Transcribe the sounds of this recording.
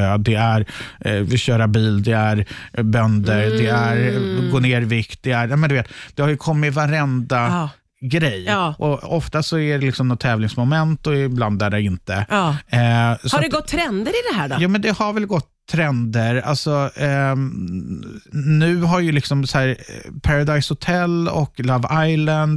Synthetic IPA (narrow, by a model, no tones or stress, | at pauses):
ød̪ɛæɾ | ɕœːɾabiːld̪ɛæɾbœnd̪əɾd̪ɛæɾɡoːneːɾvɪkt̪̚d̪ɛæɾjaːmɛnd̪ɵveːt̪d̪̥ɛhaɾjɵkʰɔmːɪt̪vaɾɛnd̪a | ɡɾɛjʔɔɔft̪asɔæɖɛlɪksɔmnɔt̪ʰːɛːvlɪŋsmʊmɛnt̪ɔɪbland̪æɖɛɪnt̪ə | sadɛɡɔt̪ʰːɾɛnd̪əɾɪd̪ɛɦæːɖɔjuːmɛnd̪ɛhaɾvɛlɡɔt̪ʰːɾɛnd̪əɾa̰lsɔ | nʉ̟ːɦaɾjɵlɪksɔmsæːɾpʰaɾad̪ajshʊt̪ʰɛlːɔ̰klavajlənd̪